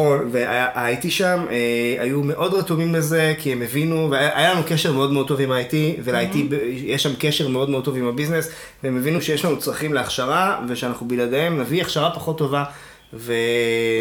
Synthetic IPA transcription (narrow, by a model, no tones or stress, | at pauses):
olveajaʔaajtiʃameajume̞ʔo̞dʁatumimleze̞kiemevinuveaʔajalanukeʃeʁmeo̞dmeo̞d̚t̪o̞vimaːjtivelajtibejɛʃːamkeʃe̞ʁme̞o̞dmeoto̞vimabiznes | veemevinuʃejeʃlanut͡sʁaχimleaχʃaʁaveʃeanaχnubiladeemnaviaχʃaʁapaχo̞t̪ːo̞va | ve̞